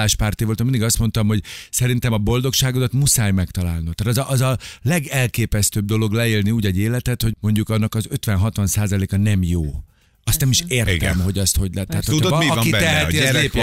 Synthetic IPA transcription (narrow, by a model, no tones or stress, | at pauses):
aːʃpaːrt̪iʋolt̪ːminiɡɒst̪mo̞nt̪ɒmɦo̞ɟsɛɾint̪ɛmɒbo̞ld̪o̞kʃaːɡod̪ɒt̪musaːjmɛkt̪ɒlaːlnut̪aːt̪zɒʔɒzɒlɛɡɛlkeːpɛst̪øːb̚d̪o̞lo̞ɡlɛeːlniuːɟɛɟeːlɛt̪ɛt̪ho̞ɟmo̞ɲɟukɒnːɒkɒzø̞t̪ʋɛnɦɒt̪ʋɒnsaːzɒleːkɒnɛmjoː | ɒst̪nɛmiʃeːrtiɡ̪ɛ̰mho̞ɟɒst̪ho̞ɟlɛt̪ːɛɦat̪houiɒiɛhɛizeː